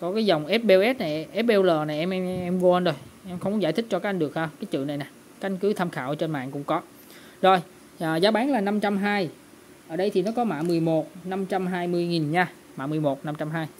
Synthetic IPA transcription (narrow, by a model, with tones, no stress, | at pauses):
kɔ˨˦kaː˨˦jzə˨˩wŋ͡mʔɛ˦˥p̚ɓɛ˧wʔɛ˦˥t̚na˨˩ʔɛ˦˥p̚ɓɛ˧wləː˨˩na˨˩jʔɛ˧mɛ˧ɛ˧mvo˧ʔə˧nzo˧˩jʔɛ˧mxə˧wŋ͡mkzaː˧˩jt̪ʰï˦˥t͡ɕɔ˧kaː˨˦˥ʔŋ̟ɨ˨˩ək̚haː˧wkaː˨˦jt͡ɕɨ̰˧˨na˨˩jna˨˩ | kaː˧˥ʔjŋ̟kɨ˨˦t̪ʰa˧mxaː˧˨wt͡ɕe˧nma̰ː˧˨ŋkʊ̰˧˥ŋ͡mkɔ˨˦ | zo˧˩j | aː˨˩zaː˨˦ɓaː˨˦nlaː˨˩na˧mt͡ɕa˧mɦaː˧j | ʔəː˧˩ɗə˧jt̪ʰi˨˩nɔ˨˦kɔ˨˦ma̰ː˧˨mɨ˨˩əjmo˨˩t̚na˧mt͡ɕa˧mɦaː˧jmɨ˧əjŋi˨˩nɲaː˧ | ma̰ː˧˨mɨ˨˩əjmo˨˩t̚na˧mt͡ɕa˧mɦaː˧j